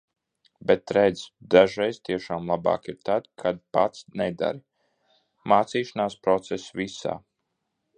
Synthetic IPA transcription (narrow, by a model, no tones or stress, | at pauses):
bɛt̪ɾɛd̪zd̪aʒɾɛjz̥t̪iɛʃaːmlˠabɑ̰ːkiɾt̪ad̪kʰad̪̚pat̪snɛd̪a̰ɾi | maːt̪siːʃanaːspɾɔt̪sɛsvisa̰ː